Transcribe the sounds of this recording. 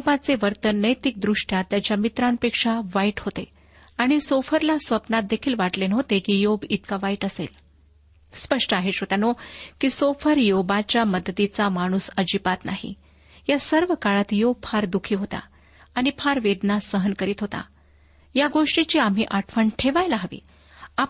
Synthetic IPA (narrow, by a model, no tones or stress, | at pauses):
obat͡seʋəɾt̪ənːəjt̪ik̚d̪ɾuʂʈjat̪ːjat͡ɕjamit̪ɾanpekʂaʋaiʈɦot̪e | aɽ̃isofəɾlasʋəpnat̪̚d̪ekʰiːlʋaʈlenɦot̪ekijobit̪kaʋaiʈəsḛl | spəʂʈəaɦeɕɦot̪anokisofəɾjobat͡ɕjaməd̪t̪it͡samaɽ̃usəd͡ʑipat̪naɦḭ | jasəɾʋəkaɭat̪job̚fʰaɾd̪ukʰiːɦot̪a̰ | aɽ̃ipʰaɾʋed̪nasəɦənkəɾiːt̪ɦot̪a̰ | jaɡoʂʈit͡ɕiːam̤ɦiʔaʈʰfəɳʈʰeʋajlaɦəʋḭː | a